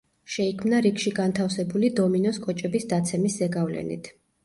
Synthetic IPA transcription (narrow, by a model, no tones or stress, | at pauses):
ʃɛikʰmnaɾikʃiɡant̪ʰafsɛbulid̪ɔminɔskʼɔt͡ʃʼɛbisd̪at̪sʰɛmiszɛɡavlɛ̰nḭt̪ʰ